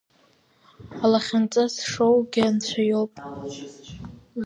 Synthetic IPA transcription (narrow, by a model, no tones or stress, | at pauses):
alaχʲant͡sʼasʂowɡʲɪant͡ɕʷʰajowpʼ